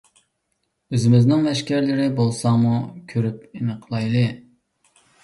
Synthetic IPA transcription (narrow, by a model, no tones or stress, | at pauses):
øzɪmɪznɪŋvɛʃkʲæɾlɪɾɪbolˠsɑŋmukʲʰøɾyp̚enɨqʰlˠɑjlˠɨ